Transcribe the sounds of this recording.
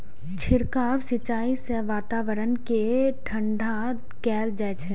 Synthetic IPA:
t͡ʃʰɪɾkaːʋsɪt͡ʃaːiseʋaːt̪aːʋəɾənkeʈʰə̃ɳɖʱa | kɛːld͡ʒɛːt͡ʃʰɛ

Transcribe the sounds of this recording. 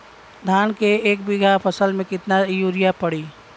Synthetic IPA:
d̪ʱaːnkeeːk̚bɪɡʱapʰəsəlmẽkɪt̪najuːɾijapəɽiː

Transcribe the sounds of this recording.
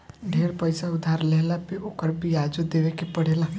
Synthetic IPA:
ɖʱeːɾpəɪsaʊd̪ʱaɾleɦlapeokəɾbʱijad͡ʒod̪eʋekepəɽ̤ela

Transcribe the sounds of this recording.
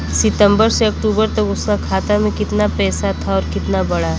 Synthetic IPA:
sɪt̪ə̃mbəɾseɐk̚ʈuːbəɾt̪ɐkʊskakʰaːt̪amẽkɪt̪napɛːsat̪ʰaɔːɾkɪt̪nabɐɽa

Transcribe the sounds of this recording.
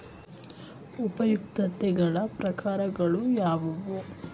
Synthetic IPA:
upɐjuk̚t̪ɐt̪ɛɡɐɭɐpɾɐkaːɾɐɡɐɭujaːʋɐʋu

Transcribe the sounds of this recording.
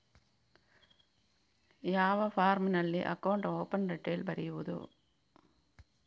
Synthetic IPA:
jaːʋɐfaːɾmɪnɐɭːiʔɐ̰kːɐwɳʈoːpɐnɾɛʈːeːlbɐɾɪʋɐðṵ

